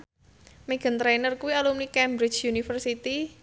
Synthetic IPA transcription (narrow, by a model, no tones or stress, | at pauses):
meɡ̥ə̤nt̪ɾanərkuwialumnikɛmbɾɪ̥t͡ʃjunifərsit̪i